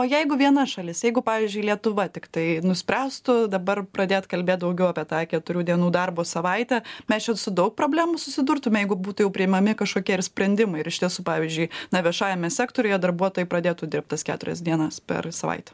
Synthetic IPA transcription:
oːjɛɪɡʊʋʲiɛnɐʃɐlʲɪsjɛɪɡʊpɑːʋʲiɪːzʲd͡ʒʲʊɪlʲiɛt̪ʊʋɐt̪ʲɪkt̪ɐɪnʊsʲpʲɾʲæːst̪ʊd̪ɐbɐrpɾɐd̪ʲeːt̪kɐlʲbʲeːt̚d̪ɐʊɡʲɛʊɑːpʲiɛt̪ɑːkʲɛt̪ʊɾʲuːd̪ʲiɛnuːd̪ɐrboːsɐʋɐɪtʲɛmʲɛst͡ʃʲɛsʊd̪ɐʊk̚pɾoːbʲlʲæːmusʊsʲɪd̪ʊɾt̪ʊmʲɛjɛɪɡʊbuːt̪ʊjɛʊpʲɾʲɪɪmɐmʲɪkɐʃkoːkʲiɛɪrsʲpʲɾʲɛnʲd̪ʲɪmɐɪɪɾɪʃt̪ʲiɛsuːpɑːʋʲiɪzʲd͡ʒʲʊɪnɐʋʲiɛʃɑːjɛmʲɛsʲæːkt̪oːɾʲʊjɛd̪ɐɾbuɔt̪oːjɛɪpɾɐd̪ʲeːt̪ʊd̪ʲɪrp̚t̪ɐskʲæ̰ːt̪ʊɾʲɛ̰sd̪ʲiɛnɐspʲɛ̰rsɐʋɐ̰ɪt̪ʲɛ̥

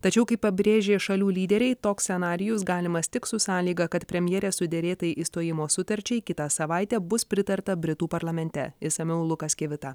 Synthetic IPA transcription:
t̪ɐt͡ʃʲɛʊkɐɪpɐbʲɾʲeːʒʲeːʃɐlʲuːlʲiːd̪ʲɛɾʲɛɪt̪oːksʲsʲɛnɑːɾʲɪjʊsɡɑːlʲɪmɐst̪ʲɪksʊsɑːlʲiːɡɐkɐt̪pʲɾʲɛmʲjɛːɾʲeːsʊd̪ʲɛɾʲeːt̪ɐjɪʔiːst̪oːjɪmoːsʊt̪ɐɾʲt͡ʃʲɛɪkʲɪt̪ɑsɐʋɐɪt̪ʲɛːbʊspʲɾʲɪt̪ɐɾt̪ɐbʲɾʲɪt̪uːpɐɾlˠɐmʲɛnʲt̪ʲɛ̰ɪsɐmʲɛʊlˠʊkɐskʲɛʋʲɪt̪ɑ

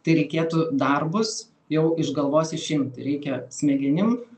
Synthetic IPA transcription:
t̪ɐɪɾʲɛɪkʲeːt̪ud̪ɐrbʊs | jɛʊʔɪʒɡɐlˠʋoːsʲɪʃʲɪmt̪ɪɾʲɛɪkʲɛsʲmʲɛɡʲɛnʲɪm

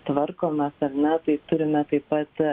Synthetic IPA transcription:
t̪ʋɐrkoːmʲɛsɐrnʲɛt̪ɐɪt̪ʊɾʲɪmʲɛt̪ɐɪpɐt̪

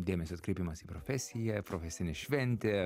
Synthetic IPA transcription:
d̪ʲeːmʲɛsʲoːɐt̪̚kɾʲɛɪpʲimɐsiːpɾofʲɛsʲɪjɛpɾofʲɛsʲɪnʲɛʃʲʋʲɛnʲt̪ʲe

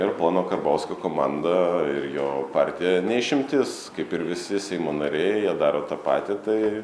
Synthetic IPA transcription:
ɪrplˠɑːnoːkɐrbɐʊskokoːmɑnd̪ɐɪɾjoːpɑrʲt̪ʲɪjɛnʲɛɪʃʲɪmʲt̪ʲɪskɐɪpɪɾʋʲɪsʲɪsʲɛɪmoːnɐɾʲɛɪjiɛd̪ɑːɾoːt̪ɑpɑːt̪ʲɪt̪ɐɪ

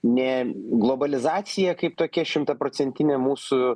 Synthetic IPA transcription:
nʲɛɡlˠoːbɐlʲɪzɑːsʲɪjɛkɐɪpt̪oːkʲɛʃʲɪmt̪ɐpɾoːt͡ssʲɛnʲt̪ʲɪnʲemuːsʊ

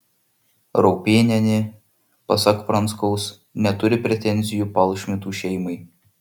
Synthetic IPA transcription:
ɾɔʊpʲeːnʲɛnʲe | pɐsɐkpɾɐnskɔʊs | nʲɛt̪ʊɾʲɪpʲɾʲɛt̪ʲɛnʲzʲɪjuːpɐlˠˑʃʲmʲɪt̪uːʃʲɛɪmɐɪ

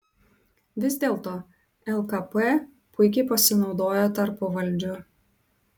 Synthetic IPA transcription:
ʋʲɪzʲd̪ʲeːlˠt̪oː | ɛlˠkɐpɛ | pʊɪkʲɛɪpɐsʲɪnɒʊd̪oːjoːt̪ɐɾpʊʋɐlʲˑd͡ʒʲʊ

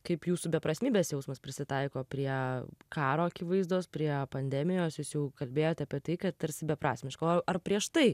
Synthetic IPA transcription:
kɐɪpjuːsubʲɛpɾɐsʲmʲiːbʲeːsjɛʊsmɐspʲɾʲɪsʲɪt̪ɐɪkoːpʲɾʲiɛkɑːɾoːɐkʲiːʋɐɪzd̪oːspʲɾʲiɛpɐnʲd̪ʲæːmʲɪjoːsjuːsjɛʊkɐlʲbʲeːjoːt̪ʲɐpʲiɛt̪ɐɪkɐt̪t̪ɐɾʲsʲɪbʲɛpɾɑːsʲmʲmʲɪʃkɐɐrpʲɾʲiɛʃt̪ɐɪ

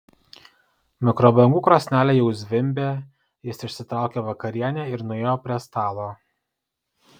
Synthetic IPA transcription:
mʲɪkɾɔːbˠɐŋɡuːkɾoːsʲnʲæːlʲɛjɛʊzʲʋʲɪmʲbʲeː | jɪʃsɪʃʲsʲɪt̪ɾɑˑʊkʲeʋɐkɐɾʲiɛnʲeːɪɾnʊeːjoːpʲɾʲiɛst̪ɑːlˠoː

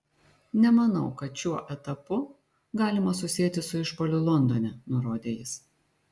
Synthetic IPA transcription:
nʲɛmɐnɐʊkɐt̪t͡ʃʲuɔʔɛt̪ɐpʊ | ɡɑːlʲɪmɐsʊsʲiɛt̪ʲɪsʊɪʃpɔlʲʊlˠɔnd̪onʲɛnʊɾoːd̪ʲeːjɪs

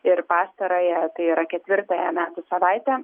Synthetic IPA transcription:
ɪɾpɑːst̪ɐɾoːjɛt̪ɐɪiːɾɐkʲɛt̪ʲʋʲɪɾt̪ɑjɛmʲæːt̪ʊsɐʋɐɪt̪ʲɛ

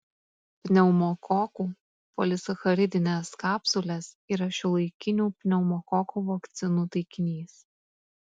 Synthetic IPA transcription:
pʲnʲɛʊmɔkɔkuː | pɔlʲɪsɐxɐɾʲɪd̪ʲɪnʲɛskɑːpsʊlʲɛs | iːɾɐʃʲɪlˠɐɪkʲɪnʲuːpʲnʲɛʊmɔkɔkuːʋɔkt̪sʲɪnuːt̪ɐɪkʲɪnʲiːs

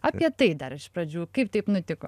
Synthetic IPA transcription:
ɐpʲiɛt̪ɐɪd̪ɐɾɪʃpɾɐd͡ʒʲuːkɐɪp̚t̪ɐɪpnʊt̪ʲɪko̰

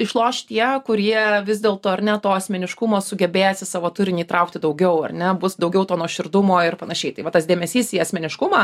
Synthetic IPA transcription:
ɪʃlˠoːʃt̪ʲiɛkʊɾʲiɛʋʲɪzʲd̪ʲeːlˠt̪oːɐɾnʲɛt̪oːɐsʲmʲɛnʲɪʃkʊmoːsʊɡʲɛbʲeːjɛsʲɪsɑːʋoːt̪ʊɾʲɪnʲiːt̪ɾɐʊk̚t̪ʲɪd̪ɐʊɡʲɛʊɐ̰rnʲɛbʊsd̪ɐʊɡʲɛʊt̪oːnoɔʃʲɪrd̪ʊmoːɪrpɐnɐʃʲɛɪt̪ɐɪʋɐt̪ɐsdʲeːmʲɛsʲiːsiːɐsʲmʲɛnʲɪʃkʊmɑː

